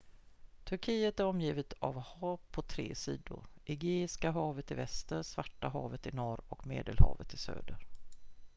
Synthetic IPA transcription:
t̪ʰɵɾkʰiːət̪æɾɔmjiːvɪt̪ʰa̰vhɑːvpʰɔt̪ʰɾḛːsiːd̪ʊ̰ɾʔɪɡeːɪskaɦɑːvət̪ɪvɛst̪əɾsvaʈːaɦɑːvət̪ɪnɔɾɔkmḛːd̪əlhɑ̰ːvət̪ʰːɪsø̰ːd̪əɾ

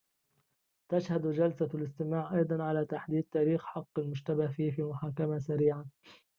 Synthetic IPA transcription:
t̪aʃhad̪d͡ʒalsalɪst̪ɪmaːʕʔɑjd̪ˤɑnʕalaːt̪aħd̪iːd̪̚t̪aːɾiːxħɑqːalmʊʒt̪abahfiːfiːmʊħaːkamasaɾiːʕan

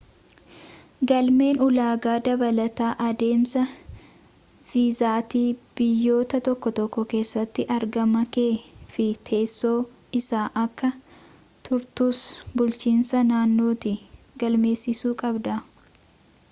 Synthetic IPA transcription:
ɡɐlme̞ːnʊlaːɡaːd̪ɐbɐlɐt̪aːʔɐd̪e̞ːmsɐ | v̥iːzaːt̪iːb̥ɪjːo̞ːt̪ɐt̪ɔkːɔt̪ɔkːɔke̞ːsːɐt̪ːɪʔɐɾɡɐmɐke̞ːfɪt̪ʰe̞ːsːo̞ː | ɪsaːʔɐkːɐ | t̪ʊɾt̪uːsbʊlt͡ʃiːnsɐnaːnːo̞ːt̪i | ɡɐlme̞ːsːɪsuːkʼɐbd̪ɐ

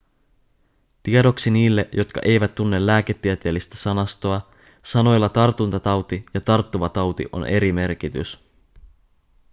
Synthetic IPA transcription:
t̪iedo̞ksiniːlːeʔjo̞t̪kɑ̰ʔe̞jʋæt̪ːunːe̞lːæːk̟e̞t̪ːiet̪e̞ːlːist̪æsɑnɑst̪o̞ɑ | sɑno̞jlːɑt̪ɑrt̪unt̪ɑt̪ɑwt̪ijɑt̪ɑrt̪ːuʋɑt̪ɑwt̪ḭʔo̞̰nʔe̞ɾime̞rk̟it̪y̰s

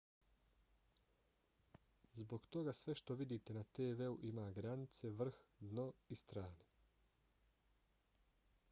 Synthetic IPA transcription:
zbo̞ɡt̪o̞ɡasʋe̞ʃt̪o̞ʋid̪iːt̪e̞nat̪eːʋeuʔimaːɡɾanit̪se̞ʋr̩xd̪no̞ist̪ɾaːne

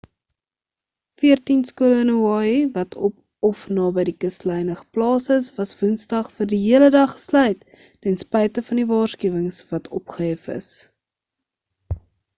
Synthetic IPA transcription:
fiərtinskuələnuɑːivɐtʰɔp | ɔfnɑːbəjdikəslɛjnəχə̥plɑːsəsvɐsvunsdɐχfərdiɦiələdɐχə̥slœɥjt | tɛnspɛjtəfɐndivɑːrskyəvəŋsvɐtʰɔpχəɦɛfə̰s

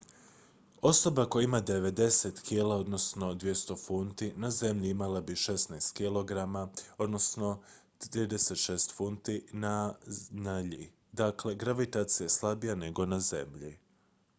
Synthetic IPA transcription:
o̞so̞bako̞jaimad̪e̞ʋe̞d̪e̞set̪kʰilao̞d̪no̞sno̞d̪ʋje̞st̪o̞funt̪inaze̞mʎiimalabiʃesnajst̪kilo̞ɡɾamao̞d̪no̞sno̞ | ɾiːd̪ese̞t̪ʃe̞ːst̪funt̪inanaʎi | d̪akle̞ɡɾaʋit̪aːt̪sijaslˠabijane̞ɡo̞naze̞mʎḭ

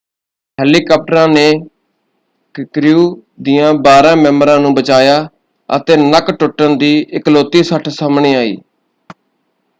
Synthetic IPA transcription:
hɛːliːkaːp̚ʈəɾãːneː | kɾjuː | d̪ijãːbaːɾãːmɛ̃ːməɾãːnũːbət͡ʃaːjaː | ə̰t̪eːnəkʈʊʈːənd̪iːʔɪkloːt̪iːsəʈʰsəmɳiːaːḭː

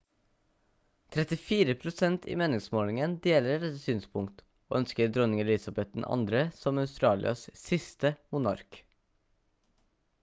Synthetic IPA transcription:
t̪ʰɾɛt̪ɪfiːɾəpʰɾʊsɛnt̪ḭːmeːnɪŋsmoːlɪŋənd̪eːləɾd̪ɛt̪ːəsyːnspʰʊŋkt̪ | o̰ːœnskəɾd̪ɾɔnɪŋɛlɪsɑbɛt̪̚dn̩ʔɑ̰nd̪ɾəsɔmɑʉst̪ɾɑːlɪ̰ɑ̰ssɪst̪əmʊnɑ̰ɾk

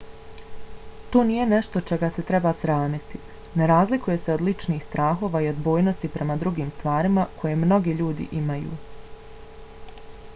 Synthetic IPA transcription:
t̪oːnije̞ne̞ʃt̪o̞t͡ʃe̞ɡase̞t̪ɾe̞basɾaːmit̪i | neɾaːzlikuje̞seo̞d̪lit͡ʃniːxst̪ɾaːxo̞ʋaːio̞d̪bo̞ːjno̞st̪ipɾʔe̞mad̪ɾuɡiːmst̪ʋaːɾimakʰo̞jemno̞ɡiʎuːd̪ḭʔimajṵː

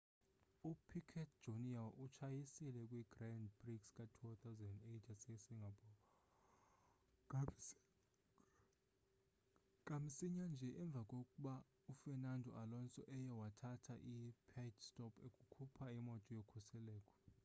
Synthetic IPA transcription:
upʰikʰɛtd̥d͡ʒ̥ʱoniaʔut͡ʃʰajisilɛkʼwiɡ̥randbrikskʼatʰut̪ʰawzɛndetʰasɛsiŋɡʱapɔ | kʼam̩siɲand͡ʒʱɛʔɛɱb̪vʱakʼokʼuɓa | ufɛnandʱɔ̰ʔalɔnt͡sʼɔ̰ʔɛjɔwatʰatʰaʔipʰɛdstʼɔpʰekʼukʰupʰaimɔtʼɔjokʰusɛlɛːkʼʰɔ̥

